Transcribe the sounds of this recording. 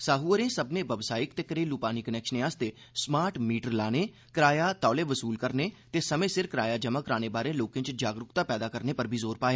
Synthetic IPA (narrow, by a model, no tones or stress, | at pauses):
saːɦuːəɾẽːsəbneːʋəbsaːɪkt̪eːkɾeːluːpaːniːkənɛːkʃənẽaːst̪eː | smaːɾʈmiːʈəɾlaːneː | kɾaːjaːt̪ɔːleːʋəsuːlkəɾneː | t̪eːsəmẽːsɪɾkɾaːjaːd͡ʒəməkɾaːneːbaːɾẽːloːkɪ̃t͡ʃd͡ʒaːɡɾʊkt̪aːpɛːd̪aːkəɾneːpəɾbʱiːzoːɾpaːeː